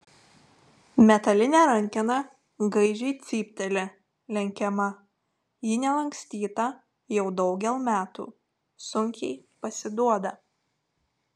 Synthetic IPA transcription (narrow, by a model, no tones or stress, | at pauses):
mʲɛt̪ɐlʲɪnʲɛˑɾɐŋʲkʲɪnɐ | ɡɐɪʒʲɛɪt̪sʲiːpʲt̪ʲɛlʲɪ | lʲɛŋʲkʲɛmɐ | jɪnʲɛlˠɐŋʲksʲt̪ʲiːt̪ɐ | jɛʊd̪ɒʊɡʲɛlˠmʲæːt̪ṵː | sʊŋʲkʲɛɪpɐsʲɪd̪uɔd̪ɐ